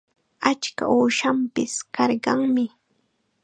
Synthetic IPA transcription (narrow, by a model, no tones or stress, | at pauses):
at͡ʃka̰ʔuːʃampɪskɑɾɢɑŋmɪ